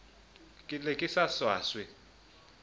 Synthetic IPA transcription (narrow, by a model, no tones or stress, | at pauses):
kʼɪlɛkʼɪsaswaːswɛ